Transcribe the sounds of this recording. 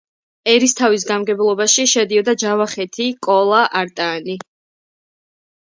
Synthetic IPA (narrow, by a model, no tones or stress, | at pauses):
ɛɾist̪ʰavis̬ɡamɡɛblˠɔbaʃiʃɛd̪iɔd̪ad͡ʒavaχɛt̪ʰikʼɔlˠaʔaɾt̪ʼaːni